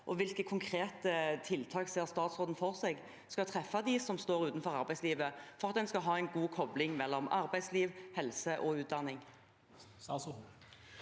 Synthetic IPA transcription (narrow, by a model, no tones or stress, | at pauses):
ʔɔʋɪlkəkʰʊŋkʰʁeːt̪ət̪ʰɪlt̪ʰɑːkseːʁst̪ɑːt̪sʁoːd̪n̩fɔʁseːɡ | skɑlt̪ʰʁɛfːɑd̪ɪsɔmst̪oːʁʉːt̪nfɔʁɑʁbæɪsliːʋəfɔɾʁɑt̪̚d̪ɛnskɑɦɑːɛɪnɡuːkʰɔblɪŋmɛlːɔmɑ̰ʁbæɪsliːʋhɛlsəʔɔʉːt̪̚d̪ɑnːɪŋ